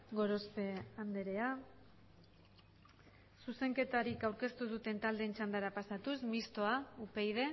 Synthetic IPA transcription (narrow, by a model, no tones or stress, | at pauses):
ɡo̞ɾo̞spe̞and̪e̞ɾe̞a | suse̞ŋke̞t̪aɾikawɾke̞st̪uð̞ut̪e̞nt̪ald̪e̞ːnt͡ʃand̪aɾapasat̪usmist̪o̞aupe̞jðe̞